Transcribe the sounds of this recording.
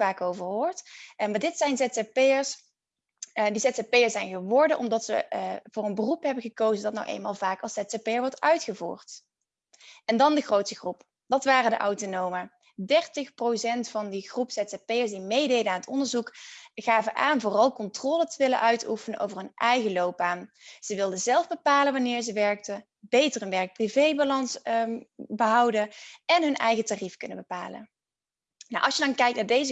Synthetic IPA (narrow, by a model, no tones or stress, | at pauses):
aːkowvəɹɦʊːɹtmaːɹdɪtsɛjnzɛtapeəɹs | disɛtsapejəsɛjnɣəʋɔɹdəʔɔ̰mdɑtsə̰vʊːrɹənbərupɦɛbəɣəkowzədɑtna̰wʔḛjnmaːlˠvaːkɑlˠsɛtsapejəɹʋɔɹtœɥtχəvṵːɹt | ɛndɑndəχrowtsəχrup | d̥ɑtʋaːrədə̰ʔɑwtonowmə | dɛrtəxprosɛntfɑndiχrupsɛtapejəɹsdimejdejdənaːnɦətɔ̰ndəɹzukχaːvəʔaːnvʊːrɑlˠkɔntrɔːlətəʋɪlə̰ʔœɥtʰufənənʔo̰wvərɦɵnʔɛjɣəlowb̚baːm | z̥əʋɪlˠdəzɛlˠvbəpaːləʋɑnɪːɹzəʋɛɹk̚tə | bejtərɦənʋɛɹk̚privejbalɑns | bəɦɑwdəɛnɦɵnʔɛjɣətarifkɵnəbəpa̰ːlə̰ | naʔɑ̰lˠʃjədɑnkɛjk̚tnaːɹdejzə